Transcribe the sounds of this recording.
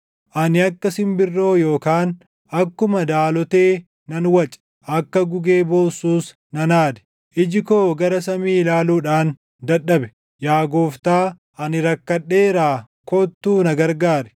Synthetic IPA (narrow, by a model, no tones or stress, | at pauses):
ʔɐnɪɐkːɐsɪmbɪrːo̞ːjo̞ːkaːn | ʔɐkːʊmɐd̪aːlɔt̪eː | nɐnwɐt͡ʃʼɛ̥ | ʔɐkːɐɡʊɡe̞ːboːsuːs | nɐnaːd̪ɛ̥ | ʔɪd͡ʒɪkoːɡɐɾɐsɐmiːlaːluːᶑaːn | d̪ɐᶑɐbɛ̥ | jaːɡoːft̪aː | ɐnɪɾɐkːɐᶑːe̞ːɾaː | koːt̪ːuːnɐɡɐɾɡaːɾɛ̥